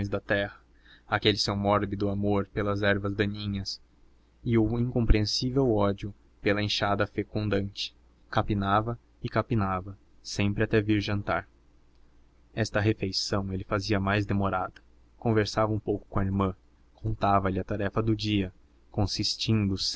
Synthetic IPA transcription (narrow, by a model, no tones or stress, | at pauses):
õj̃zd̪ɐt̪ɛhɐ | akelɪsewmɔɾbɪd̪ʊamoɾpelɐzɛɾvɐzd̪ɐ̃ɲĩɲɐs | ɪʊĩŋkõpɾiẽsivewɔd͡ʒʊ | pelɐẽʃad̪ɐfekũnd̪ɐ̃nt͡ʃɪ̥ | kapinavɐ | ɪkapinavɐ | sẽmpɾɪat̪ɛviɾʒɐ̃nt̪aɾ | ɛst̪ɐɦefejsɐ̃w̃elɪfaziɐmajzd̪emoɾad̪ɐ | kõveɾsavɐũpowkʊ̥kõɐaiɾmɐ̃ | kʰõnt̪avɐlɪɐt̪aɾɛfɐd̪ʊd͡ʒiɐ | kõsist͡ʃĩnd̪ʊs